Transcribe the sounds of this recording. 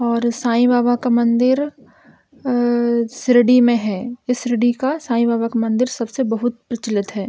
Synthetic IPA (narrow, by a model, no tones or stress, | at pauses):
ɔːɾsaːĩbaːbakamɐ̃nd̪ɪɾ | sɾɪɖimẽɦɛːɪsɾɪɖikasãːĩbaːbakamɐ̃nd̪ɪɾsɐbsebɐɦʊt̪̚pɾɐt͡ʃɪlɪt̪ɦɛː